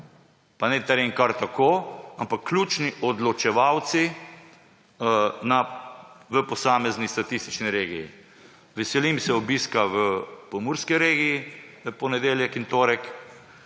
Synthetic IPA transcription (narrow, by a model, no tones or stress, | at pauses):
panɛt̪ɛɾeŋkaɾt̪akoːampakːlʲuːt͡ʃniʔɔd̪lɔt͡ʃɛʋawt̪si | na | ʋəpɔsaːmɛznist̪at̪ist̪i̥t͡ʃniɾeːɡijḭ | ʋɛsɛlimsɛɔbiskaʋəpɔmuːɾskiɾeːɡijiəpɔnɛd̪eːljɛkint̪oːɾɛk